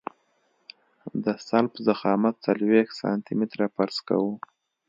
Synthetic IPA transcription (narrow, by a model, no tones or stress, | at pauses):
d̪əsalpəzaxɑmat̪̚t͡salwexsɑ̰nt̪imɪt̪ɾapaɾska̰wu